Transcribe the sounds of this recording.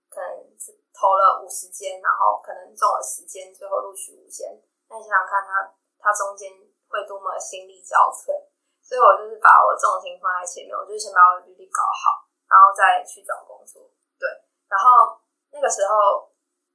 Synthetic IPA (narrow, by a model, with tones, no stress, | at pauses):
kʰɤ˨˩nə̰˧˦ŋ˥˩t̪ʰo˧˥ʊlə˨ʔu˨˩ʂɻ̩˧˦t͡ɕjɛ˦nna̰˧˥ŋxo˥˩ʊkʰɤ˨˩nə˧˦ŋt͡sɔ˥˩ŋlə̰˨˩ʂɻ̩˧˦t͡ɕjɛ˦nt͡swe˥˧ɪxo˥˩ʊlu˥˧t͡ɕʰy˥˩ṵ˨˩t͡ɕjɛ̰˦n | na˥˩˨i˥˩ɑ˥˩ŋkʰa˥˩nt̪ʰa˥ | t̪ʰa˥ʈ͡ʂʊ˥ŋt͡ɕjɛ˦n | xwe˥˩ɪt̪wɔ˥˨mə˨˩ə˨˩ɕi˦˥nli˥˧t͡ɕjɑ̰˥˧ʊfə˥˩ | sɔ˧˥i˥˩wɔ˨˩t͡ɕjo˥˧ʊʂɻ̩˥˩pa̰˨˥wɔ̰˨˩ʈ͡ʂɔ˥˨˩ŋ˩ɕi˧˥ŋfa˥nla˧˦ɪt͡ɕʰɛ̰˨˩˦lḭ˥˨˩ŋ˨˩j̩˥˧˥ɕɛ˥˩pa˨˥wy˥˧˩li˥˩kɑ˨˩ʊxɑ˨˩ʊ | na˧˥nxo˥˧ʊt͡sa˥˧ɪt͡ɕʰy˥˩t͡sɑ˨˩ŋkʊ˧˥ŋsʰu˥˦ | t̪we˥˩ɪ | na˧˥nxo˥˩ʊ | na˥˩ɡə˩ʂɻ̩˧˥˦xo˥ʊ